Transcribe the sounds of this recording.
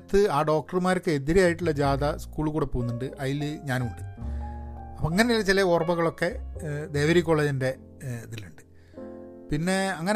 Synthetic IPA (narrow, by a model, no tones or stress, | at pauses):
t̪ːɨaːɖo̞ːk̚ʈɐrumaːɾokːɨeðiɾɐjaːjiʈːuɭːɐd͡ʑaːd̪ɐskuːɭkuːɽepːoːunːuɳɖɨʔɐjilɲaːnuɳɖɨ | ɐpɐŋːɐneilːɐt͡ɕilɐoːrɐbɐɣɐɭo̞kːe̞d̪e̞ːʋɐɾik̬ʲːo̞ːɭːeːd͡ʑinde̞ | t̪iluɳɖɨ | pinːe̞ɐŋːɐn